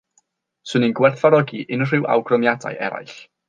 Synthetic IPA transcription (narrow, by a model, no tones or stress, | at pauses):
sɨninɡwɛrθaɾɔɡiʔɪnr̥ɪwa̰wɡrɔmjada̰jʔɛ̰ɾa̰jɬ